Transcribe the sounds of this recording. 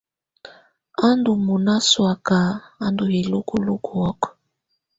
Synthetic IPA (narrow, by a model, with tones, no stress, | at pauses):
a˦ndu˨mu˨na˦swa˨ka˨a˦ndu˨he˨lu˦ku˨lu˦kʰu˨ɔ˦kɔ̥˨